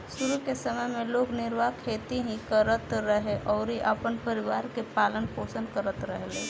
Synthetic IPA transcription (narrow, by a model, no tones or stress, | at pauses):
sʊɾukesəməjmẽloːɡnɪɾʋakʰeːt̪iɦĩkəɾət̪ɾəɦeʔɔːɾɦiʔəpənpəɾɪʋaːɾkepaːlənpoːsənd̪kəɾət̪ɾəɦeleː